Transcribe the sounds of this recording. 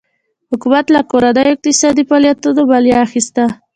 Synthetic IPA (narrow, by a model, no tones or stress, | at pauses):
hʊkumat̪lakoɾad̪ajoɪq̚t̪ɪsɑd̪ipaljat̪ːod̪obaljɑːxist̪a